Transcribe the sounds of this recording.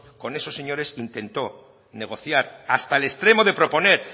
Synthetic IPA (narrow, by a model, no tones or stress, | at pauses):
ko̞ne̞sose̞ɲo̞ɾe̞sint̪e̞nt̪o̞ | ne̞ɣ̞o̞θjaɾast̪aele̞st̪ɾe̞mo̞ðepɾo̞po̞ne̞ɾ